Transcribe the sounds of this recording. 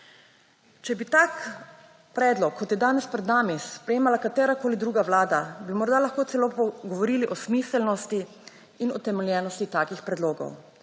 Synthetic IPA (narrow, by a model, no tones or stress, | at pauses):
t͡ʃɛbit̪aːk | pɾɛːd̪lɔkʰːɔt̪jɛd̪aːnɛspɾɛd̪naːmispɾɛjeːmalakat̪ɛːɾakoːlid̪ɾuːɡaʋlaːd̪abimɔɾd̪alaxkoːt̪sɛloːpɔɡɔʋɔɾiːliʔɔsmiːsɛlnɔst̪iː | nɔt̪ɛmɛljɛːnɔst̪it̪aːkixpɾɛd̪loːɡɔ̰w